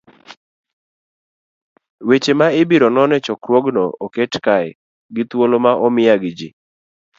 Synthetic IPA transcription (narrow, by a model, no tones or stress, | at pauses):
wet͡ʃemaɪbiɾɔnɔnɛt͡ʃɔkɾwoɡnɔoketkaj | ɡɪt̪wolomaʔɔmɪjaɡd͡ʒḭ